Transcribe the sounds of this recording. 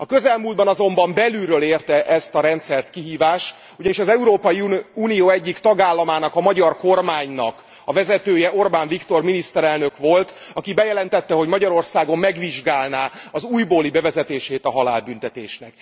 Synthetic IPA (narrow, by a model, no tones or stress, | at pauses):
ɒkø̞zɛlmuld̪̚bɒnɒzo̞mbɒmbɛlylrøːleːrt̪ɛʔɛst̪ɒɾɛnt̪sɛrt̪kiɦiːvaːʃt̪ | uɟɒniʃɒzɛuɾoːpɒjiuːnijoːɛɟːikt̪ɒɡaːlːɒmaːnɒkɒmɒɟɒrko̞rmaːɲnɒk | ɒvɛzɛt̪øːjɛʔo̞rbaːɱvikt̪o̞rminist̪ɛɾɛlnøkʋo̞lt̪ɒkibɛjɛlɛnt̪ɛt̪ːɛɦo̞ɟmɒɟɒɾo̞rsaːɡo̞mːɛɡʋiʒɡaːlnaːɒzuːjboːlibɛvɛzɛt̪eːʃeːt̪ɒɦɒla̰ːlbynt̪ɛt̪eːʃnɛk̚